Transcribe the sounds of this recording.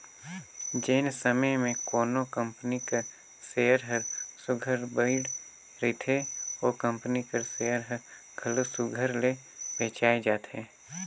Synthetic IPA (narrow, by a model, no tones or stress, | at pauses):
d͡ʒeːnsəməjmẽkoːnokə̃mpnikəɾ | seːəɾɦəɾsʊɡʱəɾbəɪɖ | ɾɪt̪ʰeoːkə̃mpnikəɾseːəɾɦəɾ | ɡʰʱəlosʊɡʱəɾle | pẽːt͡ʃaːed͡ʒaːt̪ɛː